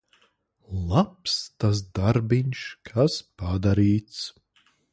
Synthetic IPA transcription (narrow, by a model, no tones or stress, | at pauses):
lˠapst̪as̬d̪aɾbiɲʃkʰaspad̪aɾiːt̪s